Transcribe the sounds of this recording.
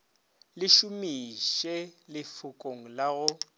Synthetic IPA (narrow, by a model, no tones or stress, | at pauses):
lɪʃʊmiʃɛlɪfʊkʼoŋ̩laɣʊ